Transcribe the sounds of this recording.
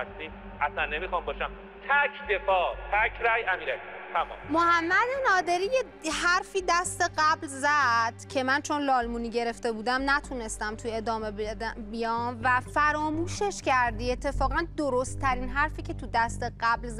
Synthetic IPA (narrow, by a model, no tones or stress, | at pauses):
st̪i | ʔæsænːemixɒmbɒːʃæm | t̪ʰækʰd̪e̞fɒːt̪ʰækʰɾæjʔæmiːɾækːt̪ʰæmɒ̰mmohæmːæd̪enɒːd̪e̞ɾiːje | hæɾfiːd̪æst̪e̞ɢæblzæd̪̥cʰe̞mænt͡ʃʰo̞nlɒːlmuːniːɟe̞ɾe̞ft̪e̞buːd̪æmnæt̪ʰuːne̞st̪æmt̪ʰue̞d̪ɒːmebdæbijɒːmvæfæɾɒːmuːʃeʃcʰæɾd̪iːe̞t̪ʰːe̞fɒːɣænd̪oɾost̪ʰːæɾiːnɦæɾfiːcʰe̞t̪ʰud̪æst̪e̞ɢæblz